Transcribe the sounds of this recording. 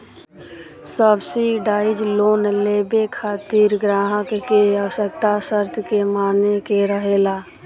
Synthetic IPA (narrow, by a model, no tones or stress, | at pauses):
səbsiɖaːɪd͡ʒloːnleːbekʰaːt̪iːɾɡɾaːɦəkkeaʋsək̚t̪asəɾt̪ʰkemaːnekeɾəɦeːlaː